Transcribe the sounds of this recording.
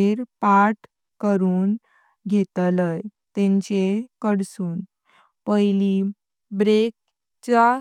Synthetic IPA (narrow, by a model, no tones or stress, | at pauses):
eɾpaʈ | kəɾuːn | ɡʱet̪ləjt̪ẽɲt͡ɕekəɽsuːn | pəjli | bɾek̚ | t͡ɕa